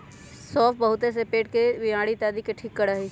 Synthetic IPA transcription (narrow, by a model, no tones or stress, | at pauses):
sɔːfbəɦʊt̪es̬epeːʈkeʋɪaːɽit̪aːd̪ikeʈʰiːkːəɽaːɦi